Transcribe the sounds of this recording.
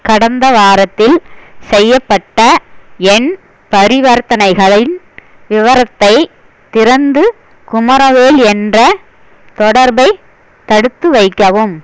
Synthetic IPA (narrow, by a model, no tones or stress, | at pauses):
kɐɽɐnd̪ɐʋaːɾɐt̪ːɪlsɛjːɐpːɐʈːɐɛn | pɐɾɪʋɐɾt̪ɐnɐɪɣɐɭɪn | ʋɪʋɐɾɐt̪ːɐɪ | t̪ɪɾɐnd̪ɯ | kʊmɐɾɐʋeːlɛndrɐ | t̪ɔɽɐɾbɐɪ | t̪ɐɽɯt̪ːɯʋɐɪkːɐʋɯm